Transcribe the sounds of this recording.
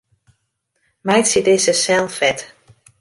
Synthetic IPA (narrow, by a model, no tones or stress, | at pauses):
mɛjsitɪsəsɛlˠfɛt